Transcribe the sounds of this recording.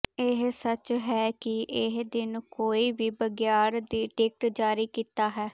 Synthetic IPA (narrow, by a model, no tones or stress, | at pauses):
ɪɦsət͡ʃɦɛːkɪʔɪɦd̪ɪnkoːiːbiːbəɡjaːɾd̪iːʈɪːk̚ʈd͡ʒaːɾiːkiːt̪aːɦɛː